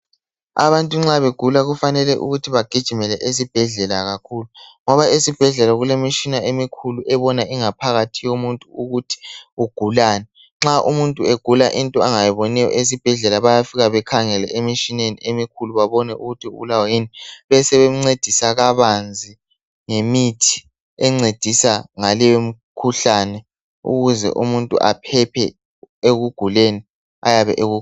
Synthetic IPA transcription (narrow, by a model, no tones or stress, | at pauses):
a̰βantʼuŋ͡ǁaβeɡ̥ʱulaɣufanɛlɛʔṵɣutʰiβaɡ̥ʱid̥ʒ̥ʱimɛlɛʔes̬ib̥ʱɛɮɛlaɣakʰuːluŋɔβaesib̥ʱɛɮɛlaɣulemiʃinaʔemikʰuluʔɛβɔnaʔiŋapʰaɣatʰijomuntʼuuɣutʰi̥uɡ̥ʱulaːnɛ | ŋ͡ǁaʔumuntʼuɛɡ̥ʱulaʔintʼɔaŋajɛβɔnɛjɔ̰ʔes̬ib̥ʱɛɮɛlaβajafiɣaβɛkʰaŋɛlɛʔemiʃinenḭemikʰuluβaβɔnɛuɣutʰiṵβulawajiniβɛsɛβemŋ͡ǀed̥ʱisaɣaβand͡zʱi | ŋemitʰi̥ | ɛŋ͡ǀed̥ʱisaŋalɛjom̩kʰuɬanɛ | ṵɣuzɛ̰ʔumuntʼṵʔa̰pʰɛpʰɛ̰ | eɣuɡ̥ʱuleni | ajaβɛ̰ʔeɣu